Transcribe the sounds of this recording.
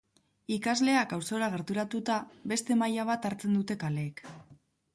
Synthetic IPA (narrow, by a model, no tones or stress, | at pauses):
ikazle̞akawso̞ɾaɣ̞e̞ɾt̪uɾat̪ut̪aβe̞st̪e̞majaβ̞at̪aɾt͡se̞nd̪ut̪e̞kale̞ːk